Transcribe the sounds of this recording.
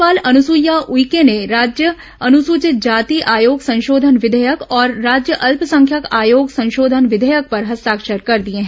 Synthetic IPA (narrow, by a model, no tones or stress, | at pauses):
aːlɐnʊsujaʔʊikeneɾaːd͡ʒjə | ɐnʊsuːt͡ʃɪt̪̚d͡ʒaːt̪iʔaːjoːɡsɐ̃nʃoːd̪ʱənʋɪd̪ʱəjəkɔːɾːaːd͡ʒjəʔɐlpsɐ̃ŋkʰjakaːjoːɡsɐ̃nʃoːd̪ʱənʋɪd̪ʱəjək̚pɐɾɦɐst̪aːkʃəɾkɐɾd̪iẽɦɛ̃